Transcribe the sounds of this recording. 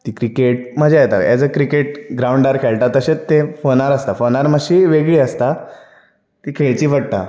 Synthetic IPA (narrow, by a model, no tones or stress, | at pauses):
t̪iːkɾikeʈ̚məd͡ʑeajt̪a̰ja̰d͡zəkɾikeʈɡɾawɳɖaɾkʰeɭʈ̪at̪ːəɕet͡st̪efonaɾəst̪afonaɾməɕiːʋeɡɭiːəst̪a | t̪ikʰeɭt͡ɕiːʋəɽt̪a̰